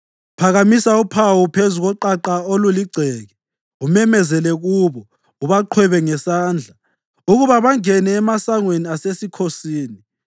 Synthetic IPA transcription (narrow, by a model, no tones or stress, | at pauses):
pʰaɣamisaupʰawupʰezuɣɔǃaǃaoluliɡ͡ǀʱɛːɣɛ | umɛmɛzɛlɛɣuβɔ | uβaǃʰwɛβɛŋɛsaːnd͡ɮʱa | uɣuβaβaŋɛnɛːmasaŋweniasesikʰosiːni